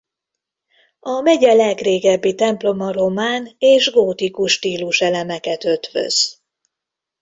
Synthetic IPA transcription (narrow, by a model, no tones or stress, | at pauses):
ɒmɛɟɛlɛɡreːɡɛbːit̪ɛmplo̞mɒro̞maːneːʒɡoːt̪ikuʃːt̪iːluʃɛlɛmɛkɛt̪ø̞t̪ʋø̰z̥